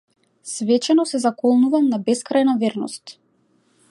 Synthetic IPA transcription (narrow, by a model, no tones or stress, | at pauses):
svɛt͡ʃɛnɔsɛzakɔlˠnuvamnabɛskɾajnavɛɾnɔ̰st̪